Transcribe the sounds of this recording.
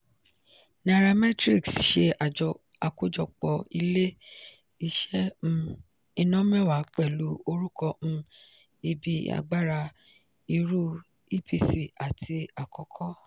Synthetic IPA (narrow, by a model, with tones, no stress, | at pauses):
na˨ɾa˧mɛ˦tɾi˦˨ksʃe˧ | a˨ko˦d͡ʒɔ˧˨k͡pɔ˨i˧le˦ | i˧ʃɛ̃˦˧ | i˧nɔ̃˦mɛ̃˦˨wa˨˦k͡pɛ˦˨lu˨˦o˧ɾu˦kɔ̃˧˦ | i˧bi˧˦a̰˨ɡ͡ba˦ɾa˧ | i˧ɾu˦ | i˦˨pʰi˧si˨a˨tʰi˧a˨kɔ˧˨kʰɔ˦